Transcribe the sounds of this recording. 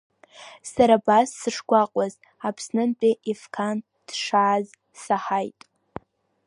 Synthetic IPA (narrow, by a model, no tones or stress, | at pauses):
saɾabasːɨʂɡʷaqʼaz | apʰsnɨmpʼiʔifkʰan | d̥ʂaːz | saħajtʼ